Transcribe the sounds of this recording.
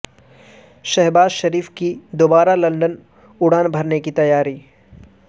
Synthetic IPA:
ʃɛɦbaːzʃɐɾiːfkid̪oːbaːɾalɐ̃ɳɖən | ʊɽaːnbʱɐɾnekit̪ɐjaːɾiː

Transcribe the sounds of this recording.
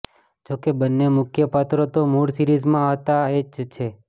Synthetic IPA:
d͡ʒokebənːemʊkʰjəpat̪ɾot̪omuɽsiɾizmãaɦt̪aed͡ʒt͡ʃʰe

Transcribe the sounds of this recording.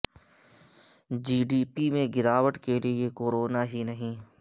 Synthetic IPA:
d͡ʒiːɖiːpimẽɡɪɾaːʋəʈkeliekoːɾoːnaɦinɐɦĩː

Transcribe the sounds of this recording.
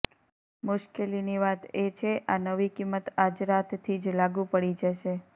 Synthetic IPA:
mʊʃkeliniʋat̪et͡ʃʰeʔanəʋikimːət̪ad͡ʒɾat̪ːʰid͡ʒlaɡũpəɽid͡ʒəʃe

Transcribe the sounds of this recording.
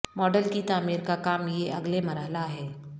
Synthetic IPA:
mɔːɖəlkit̪aːmiːɾkakaːmjeʔɐ̰ɡleməɾɦəlaɦɛː

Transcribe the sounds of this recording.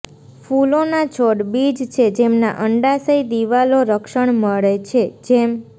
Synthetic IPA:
fulonat͡ʃʰoɽbid͡ʒt͡ʃʰed͡ʒemna̰ʔəɳɖasəjd̪iʋaloɾəkʃəɳməɭet͡ʃʰed͡ʒem

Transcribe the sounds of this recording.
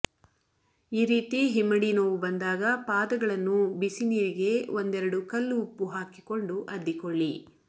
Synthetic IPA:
iːɾiːt̪iɦimːɐɽinoːʋubɐnd̪aːɡɐpaːd̪ɐɡɐɭɐnːubisiniːɾiɡe̞ond̪ɛɾɐɽukɐlːuupːuɦaːki̥ko̞ɳɖuʔɐd̪ːikoɭːi

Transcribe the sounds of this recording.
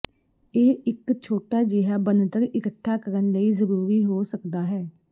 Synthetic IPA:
eːɪkt͡ʃʰoːʈaːd͡ʒeɦaːbənt̪əɾɪkəʈʰːaːkəɾənləiːzəɾuːɾiːɦoːsəkd̪aːɦɛː

